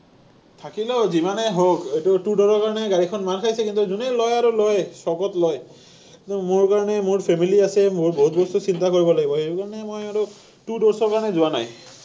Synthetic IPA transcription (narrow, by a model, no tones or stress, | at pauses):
t̪ʰakilɔzimanɛɦokejtutudɔɹɔɹkaɹɔnɛɡaɹikʰɔnmankʰajsɛkint̪uzunelɔjaɹulɔjsɔɡɔtlɔj | kumoɹkaɹɔnɛmʊɹpʰemiliasɛmboɦut̪̚bɔstusint̪akoɹibɔlaɡibɔxejtukaɹɔnɛmojaɹu | tudɔɹsɔɹkaɹɔnɛzʊwana̰j